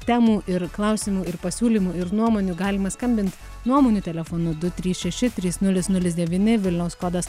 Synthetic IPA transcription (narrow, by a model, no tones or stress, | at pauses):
t̪ʲæːmuːʔɪɾklˠɐʊsʲɪmuːɪɾpɐsʲuːlʲiːmuːɪɾnuɔmoːnʲuːɡɑːlʲɪmɐskɐmʲbʲɪnt̪ | nuɔmoːnʲuːt̪ʲɛlʲɛfoːnʊd̪ʊt̪ʲɾʲiːsʃʲɛʃʲɪt̪ʲɾʲiːsnʊlʲɪsnʊlʲɪsd̪ʲɛʋʲiːnʲɪʋʲɪlʲnʲɛʊskoːd̪ɐs